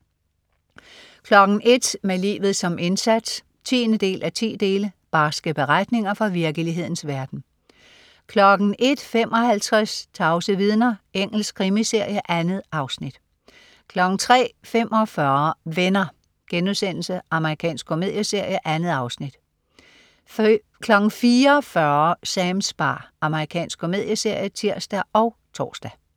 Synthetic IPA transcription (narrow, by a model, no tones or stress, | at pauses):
kʰlɒ̽ɡ̥n̩ʔe̝d̥melḭːʋð̩ˠsɒ̽me̝nsæd̥s | t͡sʰḭːnəd̥e̝̰ːlʔæt͡sʰḭːd̥e̝ːləb̥ɑ̈sɡ̥əb̥e̝ʁad̥ne̝ŋɐfɒ̽ʋiɐɡ̥əliɦe̝ð̞̰ˠn̩sʋæɐd̥n̩ | kʰlɒ̽ɡ̥n̩e̝d̥fem̰ʔɒ̽hælt͡sʰʁɛst͡sʰɑ̈ʊsəʋið̞ˠnɐeŋ̰l̩skʰʁimise̝ɐ̰jəʔænð̩ˠʔɑ̈ʊsnid̥ | kʰlɒɡ̥n̩t͡sʰʁɛ̰ːfem̰ʔɒ̽fɶɐʋenɐ | ɡ̥enuðˠsen̰l̩səʔɑ̈məʁikʰɛ̰ːnsɡ̥̚kʰome̝ð̰ˠjəse̝ɐ̰jəʔænð̩ˠɑ̈ʊsnid̥ | kʰlɒ̽ɡ̥n̩fiːɐfɶɐsæmsb̥ɑ̰̈ːʔɑ̈məʁikʰɛ̰ːnsɡ̥̚ʰo̝me̝ð̰ˠjəse̝ɐ̰jət͡sʰiɐ̰sd̥æɒ̽ʊ | t͡sʰɒ̰ːsd̥æ